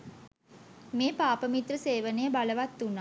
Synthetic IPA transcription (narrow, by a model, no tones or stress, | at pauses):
meːpaːpəmit̪rəseːʋənejəbaləʋat̪ːunːa